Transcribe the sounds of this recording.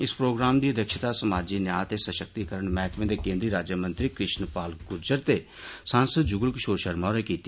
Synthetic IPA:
ɪspɾoːɡɾaːmd̪iːəd̪əkʃɪt̪aːsəmaːd͡ʒiːnjaːt̪eːsəʃək̚t̪iːkəɾəɳmɛːkʋẽːd̪eːkẽːnd̪ɾiːɾaːd͡ʒjəmə̃nt̪ɾiːkɾɪʃnpaːlkʊɾd͡ʒəɾt̪eː | sãːnsəd̪̚d͡ʒʊɡəlkɪʃoːɾʃəɾmaːɾɛːkiːt̪i

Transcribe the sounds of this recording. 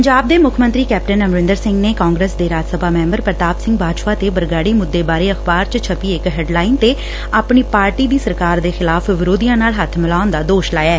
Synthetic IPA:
pəɲd͡ʒaːb̚d̪eːmʊkʰmənt̪ɾiːkɛːp̚ʈənəmɾɪ̃nd̪əɾsɪ̃ŋɡneːkãːŋɡɾeːsd̪eːɾaːd͡ʒsəbʱaːmɛ̃ːmbəɾpɾət̪aːbsɪ̃ŋɡ̚baːʃpaːt̪eːbəɾɡaːɽiːmʊd̪ːeːbaːɾeːəxbaːɾt͡ʃt͡ʃʰəpiːɪkɦɛːɖlaːint̪eː | aːpɳiːpaːɾʈiːd̪iːsəɾkaːɾd̪eːxɪlaːfʰʋɪɾoːd̪ijãːnaːlɦət̪ʰmɪlaːʊnd̪aːd̪oːʃlaːjɛː

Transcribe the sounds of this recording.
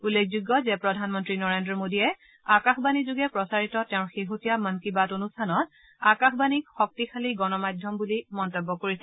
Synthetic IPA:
ulːekʰzuɡːɔzɛpɹɔdʱanmɔntɹinɔɹendɹɔmodiɛ | akaxbanizuɡɛpɹɔsaɹitɔtɛʊ̃ɹxeɦotijamənkibatonustʰanɔt̚ | akaxbanikxɔk̚tixʰaliɡɔnɔmajdʱjɔmbulimɔntɔbːɔkoɹisɛ

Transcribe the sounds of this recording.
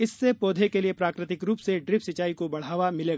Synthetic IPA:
ɪsːepoːd̪ʱekeliepɾaːkɾɪt̪ɪkɾuːpseɖɾɪpsɐt͡ʃaːikobɐɽ̤aːʋamɪleːɡaː

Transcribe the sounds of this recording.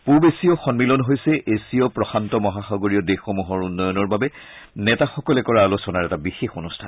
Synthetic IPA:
pubesiɔxɔnmilɔnɦojsɛʔesiɔpɹɔxantɔmɔɦaxaɡoɹiɔdexɔmuɦɔɹunːɔjɔnɔɹbabɛ | nɛtaxɔkɔlɛkɔɹaːlosɔnaɹɛtabixexonustʰan

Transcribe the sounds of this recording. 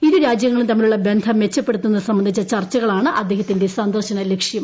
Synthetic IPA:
iðuɾaːd͡ʑjɐŋːɐɭut̪ɐmːiluɭːɐbe̞nd̪ʰʱɐmːet͡ɕːɐpːe̞ɽut̪ːunːɐðsɐmbɐnd̪ʱit͡ɕːɐt͡ɕɐrt͡ɕːɐɣɐɭaːɳɨʔɐd̪ːehɐt̪ːinde̞saːnd̪ɐrɕɐnɐlekʂjɐm

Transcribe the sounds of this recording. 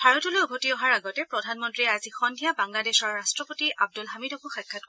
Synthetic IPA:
tʰaɹɔtuloubʱotiɔɦaɹaɡɔtɛpɹɔdʱanmɔntɹiɛazixɔndʱijabaŋladesɔɹːastɹɔpotiab̚dulɦamidɔbuxɛkʰːat̚k

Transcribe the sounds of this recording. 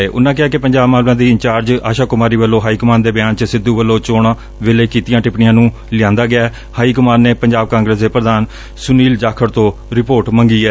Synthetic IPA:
eːʔʊ̰nːãːk̬ɪɦaːkɪpəɲd͡ʒaːbmaːlãːd̪iːɪnt͡ʃaːɾd͡ʒa̰ːʃaːkʊmaːɾiːʋəlːõːɦaːiːkʊmaːnd̪eːbɪjaːnt͡ʃəsɪd̪ːuːʋəlːõːt͡ʃoːɽaː | ʋeleːkiːt̪ijãːʈɪpɳɪjãːnũː | lɪjãːnd̪aːɡɪaː | haːiːkʊmaːnneːpəɲd͡ʒaːb̚kãːŋɡɾəsd̪eːpɾəd̪aːn | sʊniːld͡ʒaːkʰəɾt̪õːɾɪpoːɾʈməŋɡiːɛː

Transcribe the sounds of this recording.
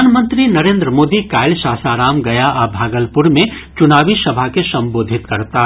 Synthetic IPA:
aːnmə̃nt̪ɾinɐɾẽːnd̪ɾəmoːd̪ikaːɪlʃaːsaːɾaːmɡɐjaʔabʱaːɡəlpʊɾmẽt͡ʃʊnaːʋisɐbʱakesɐ̃mboːd̪ʱɪt̪kɐɾt̪a

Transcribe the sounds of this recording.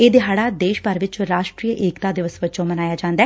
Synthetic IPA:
eːd̪ɪɦaːɽaːd̪eːʃpəɾʋɪt͡ʃɾaːʃʈɾiːəʔɪːkt̪aːd̪ɪʋəsʋət͡ʃõːmənaːjaːd͡ʒãːnd̪aɛː

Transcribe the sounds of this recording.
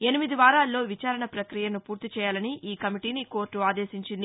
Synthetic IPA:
e̞nimid̪iʋaːɾaːlːo̞ːʋit͡ʃaːɾɐɳɐpɾɐkɾijɐnupuːɾt̪it͡ʃɛːjaːlɐniʔʔiːkɐmiʈiːniko̞ːɾʈːuaːd̪e̞ːʃiɲt͡ʃind̪i

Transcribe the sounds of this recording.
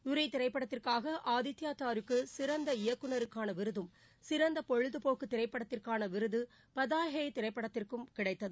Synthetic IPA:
ʊɾɐt̪ɪɾɐɪpːɐɽɐt̪ːɪrkaːɣɐʔaːðɪt̪ːjaːt̪aːɾɯkːɯsɪɾɐnd̪ɐɪjɐkːɯnɐɾɯkːaːnɐʋɪɾɯðɯm | sɪɾɐnd̪ɐpɔɻɯðɯpoːkːɯt̪ːɪɾɐɪpːɐɽɐt̪ːɪrkaːnɐʋɪɾɯðɯ | pɐðaːɦɐjt̪ɪɾɐɪpːɐɽɐt̪ːɪrkɯmkɪɽɐɪt̪ːɐðɯ

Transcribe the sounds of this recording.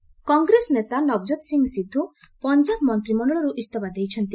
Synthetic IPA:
kɔŋɡɾesɔnet̪anɔb̚d͡ʒɔt̪siŋɡsid̪ʱːu | pɔnd͡ʒabmɔnt̪ɾimɔɳɔɭɔɾuʔist̪ɔbad̪ejt͡ʃʰɔnt̪i

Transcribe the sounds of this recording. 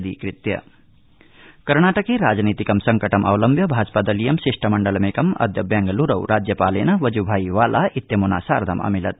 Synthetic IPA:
d̪ikɾit̪jɐ̰ | kɐɾnaːʈəkiɾad͡znit̪ikɐmsɐŋkəʈɐmʔɐ̰wlɐmbʱjɐbʱaːd͡zpad̪ɐlijɐmsisʂʈʰɐmɐɳɖəlɐmekɐmʌ̰d̪jɐbjaŋɡɐluɾɐwɾʔad͡ʒjɐpalenɐʋʌd͡ʒubʱajwalʔait̪jɐmona̰saːɾd̪ʱɐmɐ̰milɐt̪̚

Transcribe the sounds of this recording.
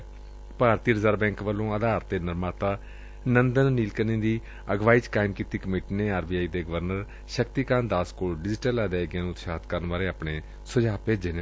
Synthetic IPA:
paːɾt̪iːɾəzaːɾbɛ̃ːŋkʋəlːõːəd̪aːɾt̪ːeːnəɾmaːt̪aː | nənd̪ənːiːlkənĩːd̪iː | əɡʋaːiːt͡ʃkaːɪmkiːt̪iːkəmiːʈiːneːaːɾbiːaːiːd̪eːɡəʋəɾnəɾ | ʃəkt̪iːkãːnd̪aːskoːlɖɪd͡ʒʈəlaːd̪eːɡɪjãːnũːʊt̪ʃaːt̪kəɾənʋaːɾeːaːpɳeː | sʊd͡ʒaːpeːd͡ʒeːne

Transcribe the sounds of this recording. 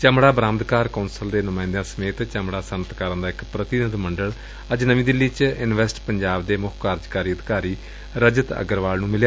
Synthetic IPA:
t͡ʃəmɽaːbɾãːmd̪kaːɾkəːnsəld̪eːnʊmãːɪ̃nd̪jãːsəmeːt̪t͡ʃəmɽaːsənət̪kaːɾə̃nd̪aːɪkpɾət̪ɪnəd̪məɳɖəɭ | əd͡ʒnəʋĩːd̪ɪlːiːt͡ʃɪnʋɛːsʈpəɲd͡ʒaːb̚d̪eːmʊkʰkaːɾd͡ʒkaːɾiːəd̪kaːɾiː | ɾəd͡ʒət̪ə̰ɡəɾʋaːlnũːmɪljaː

